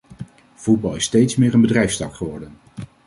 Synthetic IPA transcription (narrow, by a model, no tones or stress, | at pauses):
v̥ud̚bɑlˠɪstejtsmɪːɹənbədrɛjfstɑkχəʋɔɹdən